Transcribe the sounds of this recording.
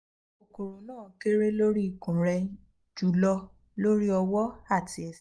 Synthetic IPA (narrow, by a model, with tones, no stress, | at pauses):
o˨ko˨ɾo˨˦nãː˦˨ke˦ɾe˦lo˦ɾi˦i˨kũ˨ɾɛ˧ | d͡ʒu˨˦lɔ˧ | lo˦ɾi˦ɔ˧wɔ˦a˦˨ti˧˦ɛ˨s